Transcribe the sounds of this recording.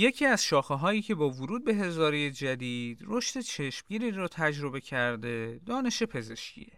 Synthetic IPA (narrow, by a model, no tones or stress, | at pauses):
je̞kcʰiːæz̥ʃɒːxeɦɒːjiːcʰe̞bɒːvuɾuːd̪̚be̞ɦe̞zɒːɾejed͡ʒæd̪iːd̪ro̞ʃt̪e̞t͡ʃʰe̞ʃmɟiːɾiːɾɒːt̪ʰæd͡ʒɾo̞be̞cʰæɾd̪e̞d̪ɒːne̞ʃe̞pʰe̞ze̞ʃcʰḭe